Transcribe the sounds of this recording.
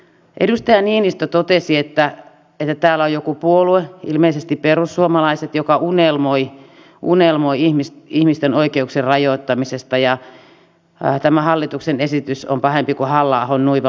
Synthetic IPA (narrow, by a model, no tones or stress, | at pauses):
ʔḛdust̪ɑjɑniːnist̪ot̪ot̪esiet̪ːæ | et̪ːæt̪æːlːæojokupuolueḭlmeisest̪ipperusːuomɑlɑiset̪jokɑunelmoi | ʔunelmoiihmisihmist̪enoikeukserrɑjoit̪ːɑmisest̪ɑjɑ | t̪æmæhɑlːit̪uksenesit̪yso̰mpɑhempikuhɑlːɑːhonnuiʋɑ